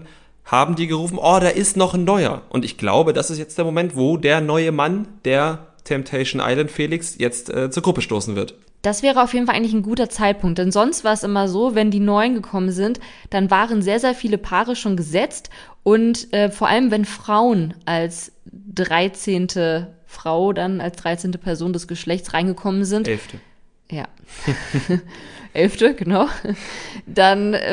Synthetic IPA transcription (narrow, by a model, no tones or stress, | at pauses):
haːbm̩diːɡəʁuːfn̩ʔoːdaːɐʔɪstnɔχnːɔʏɐ̰ʔʊ̰ntɪçɡ̥la̰ʊbədasɪstjɛt͡std̥eːɐmomɛntv̥oːdeːɐnɔʏəmand̥eːɐ | tʰɛmptʰɛɪʃnʔa̰ɪlantfeːlɪksjɛt͡stʔɛːt͡suːɐɡʁʊpəʃto̰ːsn̩vɪɐt | d̥asv̥ɛːʁ̞əʔaʊfjeːdn̩falʔaɪɡŋ̩lɪçnɡuːtɐt͡saɪt̚pʰʊŋk̚td̥ɛnzɔnstv̥aːɐɛsʔɪmɐzoːvɛndiːnɔʏənɡəkʰɔmənzɪntd̥anvaːʁənzeːɐzeːɐfiːləpʰaːʁəʃoːnɡəzɛt͡st | ʔʊntʔɛːfoːɐʔa̰ləmvɛnfʁ̥aʊənʔals | d̥ʁaɪt͡seːntʰəfʁ̥aʊdanalsd̥ʁaɪt͡seːntəpʰɛɐzoːndɛsɡ̥əʃlɛçtt͡sʁaɪnɡəkʰɔmənzɪntɛftə | ja̰ː | ʔɛlftəɡənaʊ | d̥an